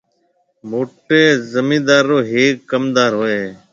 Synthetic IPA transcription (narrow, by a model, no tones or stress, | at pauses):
moːʈeːzəmĩːd̪aːɾːoːɦeːkːəmd̪aːɾɦoːeː